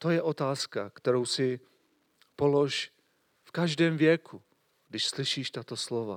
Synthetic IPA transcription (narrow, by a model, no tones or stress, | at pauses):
t̪o̞jɛʔo̞t̪aːskakt̪ɛɾo̞wsɪ | po̞loʃ | fkaʒdɛːmvjɛkʰu | ɡdɪʃslɪʃiːʃt̪at̪o̞slo̞va̰